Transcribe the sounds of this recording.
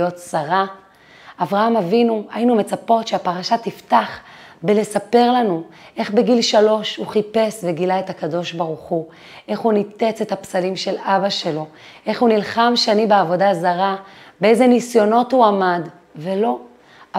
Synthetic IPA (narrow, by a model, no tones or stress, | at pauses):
o̞t̪saʁa | avʁaamavinuajinume̞t͡sapo̞tʃeapaʁaʃatiftaχbele̞sape̞ʁlanuʔe̞χbeɡilʃalo̞ʃhuχipe̞sveɡilaetakado̞ʃbaʁuχu | ʔe̞χhunit̪e̞t͡se̞t̪hapsalimʃe̞labaʃe̞lo̞ | ʔe̞χhunilχamʃanibeavo̞dazaʁabeejzenisjo̞no̞thuamad | ve̞lo̞